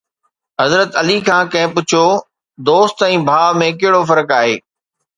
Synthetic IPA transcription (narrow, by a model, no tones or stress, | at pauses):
ɦɐzɾət̪ɐlikʰãːkɐ̃ɦɪ̃pʊt͡ɕʰo | d̪oːst̪ɛ̃ːbʱaːʋmẽkɐɦɪɽofɐɾəkaːɦḛː